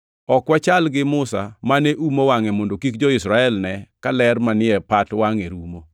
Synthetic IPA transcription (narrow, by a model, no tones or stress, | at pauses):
ɔkwat͡ʃalɡɪmʊsamaneʔumowaŋemondokikd͡ʒɔɪsɾaɛlnɛkalɛrmanɪɛpatwaŋeɾumo